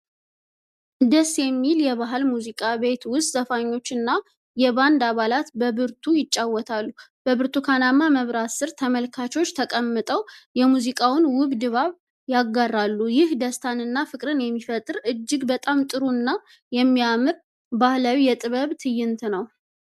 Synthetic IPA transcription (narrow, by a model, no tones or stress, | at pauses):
d̪əsjɛmːiljɛβaɦɨlmuzikʼaβe̞t̪wʊst̪ʼzəfaɲːo̞t͡ʃːɨnːa | jɛβand̪aβalat̪bəβɨɾt̪ʰujɪt͡ʃʼːawːɔt̪ʰalːub̥əβɨɾt̪ʰukʰanamːaməβɾasɨɾt̪ʰəməlkʰat͡ʃo̞t͡ʃːt̪ʰəkʼəmːɨt̪ʼəwjɛmuzikʼawʊnwʊɡd̪ɨβaβ | jaɡːarːalːujɪhd̪əst̪ʰanɨnːafɨkʼɾɨnjɛmːifət̪ʼɨɾɨd͡ʒːɪɡbət̪ʼamt̪ʼɨɾunːa | jɛmːijamɨɾ | bahlawijɛt̪ʼɨβəβt̪ʰɨjːɪnt̪ʰnəw